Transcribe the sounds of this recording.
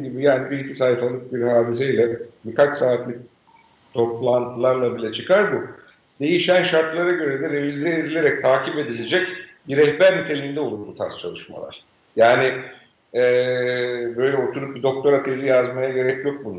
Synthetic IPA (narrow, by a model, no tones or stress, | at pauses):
ɟibijaːnibiɾicʰisaːit̪alˠɯp̚biɾhaːd̪is̬eilʲɛbikat͡ʃsaːit̪lʲic̚ | t̪ʰo̞plˠant̪ʰɯlˠaɾlˠabilʲɛt͡ʃʰɯkʰaɾbu | d̪̥e̞jiʃænʃaɾt̪lˠaɾaɟø̞ɾed̪ɛɾevizd̪ɛːd̪ilʲe̞ɾɛc̚t̪ʰaːcʰipe̞d̪ilʲed͡ʒɛcbiɾɛhbæɾnit̪ʰe̞lʲind̪ɛo̞lˠupbut̪ʰa̰ɾst͡ʃʰa̰lˠɯʃma̰a̰ɾ̥ | jaːni | ɛː | bø̞jlʲɛo̞t̪ʰuɾup̚bid̪o̞k̚t̪o̞ɾat̪ʰe̞zʲijazmajaɟe̞ɾɛcjo̞k̚bun